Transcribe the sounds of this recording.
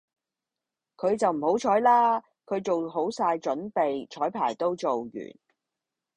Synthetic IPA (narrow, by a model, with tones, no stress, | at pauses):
kʰɵ˨˧ɥt͡sɐ˨wm̩˨˩ho˨˥wt͡ʃʰɔː˨˥jlaː˥ | kʰɵ˨˧ɥt͡so˨wɦo˨˥wsaː˧jt͡ʃɵ˨˥npe˨jt͡ʃʰɔː˨˥jpʰa̰ː˨˩jt̪o˥wt͡so˨wjy̰ː˨˩n